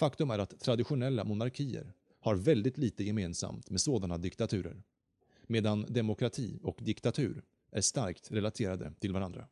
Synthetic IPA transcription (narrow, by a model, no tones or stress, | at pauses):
fakt̪ɵmæɾat̪ʰːɾad̪ɪɧʊnɛlːamʊnaɾkʰiːə̰ɾ | haɾvɛld̪ɪt̪ʰliːt̪əjɛmeːnsa̰mt̪meːd̪soːd̪anad̪ɪkt̪at̪ʰʉ̟ːɾə̰ɾ | meːd̪and̪ɛmʊkʰɾat̪ʰḭːɔkd̪ɪkt̪at̪ʰʉ̟̰ːɾ | ʔæʂt̪aɾkt̪ɾɛlat̪ʰeːɾad̪ə̰t̪ʰɪlvaɾand̪ɾa̰